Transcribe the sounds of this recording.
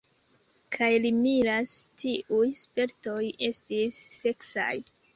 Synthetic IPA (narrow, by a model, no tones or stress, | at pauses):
kʰajlimiɾastʰiʔujspe̞ɾto̞je̞stisːe̞ksa̰j